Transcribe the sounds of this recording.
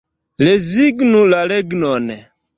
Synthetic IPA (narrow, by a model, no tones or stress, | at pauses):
lɛziɡnulalɛɡnɔnɛ